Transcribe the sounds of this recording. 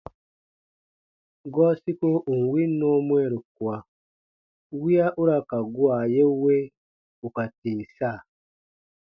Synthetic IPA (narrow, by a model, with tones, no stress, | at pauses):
ɡwa˦si˦ko˦ʔo˨ŋ˨wi˦no˦mwe˦ɾu˨kwa˨ | wi˦a˦ʔu˦ɾa˨ka˨ɡwa˨je˦we˦ | u˨ka˨tiː˨sa˦˨